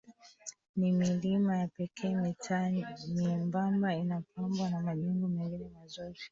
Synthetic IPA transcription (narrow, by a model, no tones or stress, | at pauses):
nimilimajapɛkʰɛːmɛtmiɛmbambainapambwanamaʄiŋɡumiŋɡinɛmazɔzi